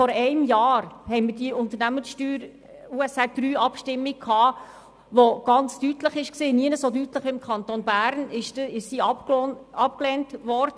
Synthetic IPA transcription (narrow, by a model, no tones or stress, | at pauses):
fɔɾɛɪmjɑːɾhɛɪmədiʊnt̪əɾnæmənsʃtyːɾ | uːɛsɛd̥ɾyːɑpʃtɪmːiɡ̚kʰɑː | ʋoɡ̥ɑnt͡stytləχɪʃksiːniənəsodytləχɪmkʰχɑnt̪onbæːɾnɪʃɪʃsiːɑpɑp̚klɛntʋɔɾdə